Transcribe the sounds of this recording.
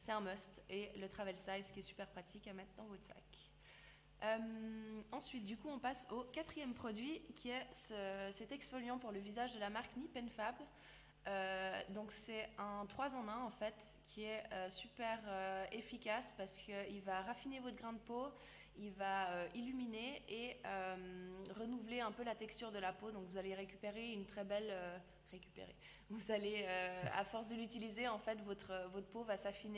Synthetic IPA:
sɛt̪ɛ̃mɔst̪elət̪χavɛlsajzkʲiɛsy̥pɛʁpχat̪ʰikamɛt̪χd̪ɑ̃vot̪sa̰k | ømɑ̃sɥit̪̚d̪ykuɔ̃pasokat̪χijɛmpχɔd̪ɥikʲʰiɛsəsɛt̪ɛksfɔljɑ̃puʁləvizaʒd̪əlamaʁknipɛnfab | ød̪ɔ̃ksɛɛ̃t̪χwazɑ̃nɛ̃ɑ̃fɛt̪kʲʰiɛøsypɛʁøefikʲaspaʁsə̥kəilvaʁafinevɔt̪χɡʁɛ̃d̪əpo | ilvaøʔilymineeømʁənuvleɛ̃pølat̪ɛkst̪yʁd̪əlapod̪ɔ̃kvuzaleʁekʲypeʁeynt̪χɛbɛlø | ʁekʲy̥pḛʁḛ | vuzaleøa̰fɔʁsd̪əlyt̪ilizeɑ̃fɛt̪vɔt̪χəvɔt̪χəpovasafine

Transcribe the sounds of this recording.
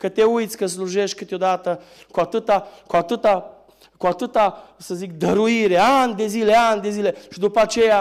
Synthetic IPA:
kət̪e̞ujt̪sʲkəsluʒe̞ʃt̪̚ʲkɨt̪eo̞d̪at̪ə | kuat̪ɨt̪akuat̪ɨt̪a | kuat̪ɨt̪asəzikd̪əɾuiɾe̞anʲd̪e̞zile̞anʲd̪e̞zile̞ʃid̪upəat͡ʃe̞ja

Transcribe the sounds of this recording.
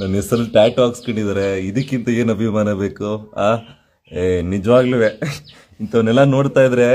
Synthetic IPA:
nɐnesɐɾɐluʈaːʈaːkskɐɳɖid̪aːɾe̞id̪ɐkːint̪ɐe̞ːnɐbʱimaːnɐbe̞ːkuaː | enid͡ʒɐʋaːɡliʋe | int̪ɐʋnɛlːɐno̞ːɽt̪aːjid̪ɾe̞

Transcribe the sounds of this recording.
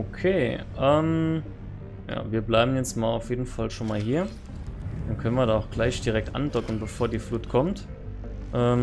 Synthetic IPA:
ʔokʰeːʔɛːm | ja̰ːviːɐblaɪbm̩jɛt͡stmaːlaʊfjeːdn̩falʃoːnmaːlɦiːɐ | d̥ankʰœnənviɐdaːaʊxɡ̥laɪçd̥iʁɛk̚tʔa̰ndɔkn̩bəfoːɐdiːfluːtkʰɔmt | ʔɛːm

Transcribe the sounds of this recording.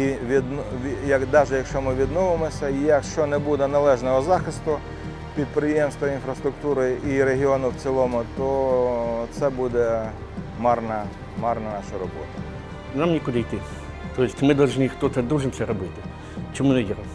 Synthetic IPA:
iʋʲid̪nʋʲjɐd̪ɑʒɛjɐkʃt͡ʃɔmɪʋʲid̪nɔʋɪmɔsʲɐijɐkʃt͡ʃɔnɛbud̪ɛnɐlˠɛʒnɔɦɔzɑxɪst̪ʊ | pʲid̪̚pɾɪjemst̪ʋɐinfɾɐst̪ɾʊkt̪uɾɪiɾeɦʲiɔnʊwt͡s̪ʲilˠɔmʊt̪ɔ | t̪sɛbud̪ɛ | mɑrnɐ | mɑrnɐnɑʃɐɾɔbɔ̰t̪ɐ | namnʲikʊd̪ɐijt̪ɪ | t̪ɔjɪsʲtʲmɪd̪ɐlˠʒnʲixt̪ɔt̪ɛd̪uʒɪnsɛɾɔbɪt̪ɪ | t͡ʃɔmunɛdʲiɾɐ

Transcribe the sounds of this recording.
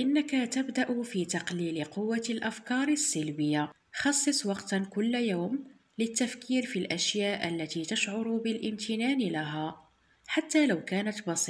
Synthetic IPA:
ʔɪnːakat̪abd̪aʔʊfiːt̪ɑqliːlqʊwːalʔafkɑːɾˤsːɪlbəjːa | xɑsˤːɨsˤwɑqt̪nkʊlːjawm | lət̪ːafkiːɾfilʔæʃjaːʔə̰lːæt̪it̪aʃʕʊɾʊbɪlʔɪmt̪ʰɪnaːnlaɦæ | ħat̪ːalawkæːnat̪bɑsi

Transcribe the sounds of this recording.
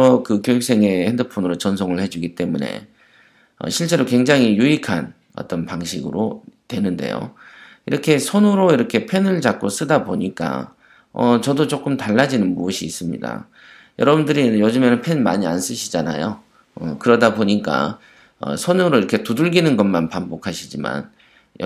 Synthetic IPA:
ʌkɯkjojuk̚s͈e̞ŋe̞hendɯpʰonɯɾot͡ɕʌnsʰoŋɯɭhe̞d͡ʑuɡit͈e̞mune̞̰ | ʌ̰ɕʰiɭt͡ɕ͈e̞ɾokwe̞ŋd͡ʑaŋijuikʰan | ʌ̰t͈ʌnpaŋɕʰiɡɯ̰ɾo̰twe̞nɯnde̞̰jo̰ | ḭɾʌkʰe̞sʰonuɾoiɾʌkʰe̞pʰe̞nɯɭt͡ɕak̚k͈os͈ɯdaboɲik͈a̰ | ʌ̰t͡ɕʌdot͡ɕ͈ok͈ɯmtaɭːad͡ʑinɯnmuuɕʰiːs͈ɯmɲḭda̰ | jʌɾʌbundɯɾijod͡ʑɯmenɯnpʰe̞nma̰ɲia̰ns͈ɯɕʰid͡ʑana̰jo | ʌkɯɾʌdaboɲik͈a̰ | ʌ̰sʰonuɾoiɾʌkʰe̞tuduɭɡinɯnɡʌnmanpambokʰaɕʰid͡ʑima̰n | j

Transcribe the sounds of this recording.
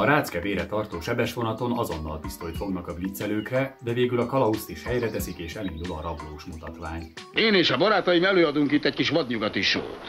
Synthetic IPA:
ɒɾaːt̪skɛveːɾɛt̪ɒrt̪oːʃɛbɛʃʋo̞nɒt̪o̞nɒzo̞nːɒ̰lt̪ist̪ojt̪fo̞ɡnɒkɒviːt̪sɛløːkrɛd̪ɛveːɡylɒkɒlɒust̪iʃhɛjrɛt̪ɛsikeːʃɛlind̪ulɒɾɒbloːʃmut̪ɒt̪ʋaːɲ | eːneːʃɒbɒɾaːt̪ɒjimɛløːɒd̪uŋkit̪ːɛckiʃʋɒd̪ɲuɡɒt̪iʃo̰lt̪

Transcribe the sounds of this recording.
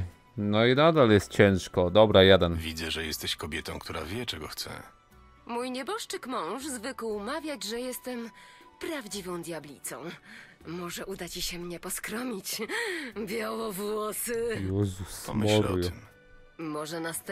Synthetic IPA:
nɔinad̪aljɛst̪̚t͡ɕɛ̃ʂkɔd̪ɔbɾajad̪anvʲid̪zɛʐɛjɛst̪ɛɕkɔbʲjɛt̪ɔ̃w̃kt̪uɾavʲjɛt͡ʂɛɡɔxt̪sɛ̰ | mujɲɛbɔʂt͡ʂɘkmɔ̃w̃ʐzvɘkuumavʲjad͡ʑʐɛjɛst̪ɛm | pɾavd͡ʑivɔ̃w̃d̪ʲjablʲḭt̪sɔ̃w̃ | mɔʐɛʔud̪at͡ɕiɕɛmɲɛpɔskɾɔmʲit͡ɕ | bʲjawɔvwɔsɘjɔzusɔmɔɛɾɔjm | mɔʐɛnast̪

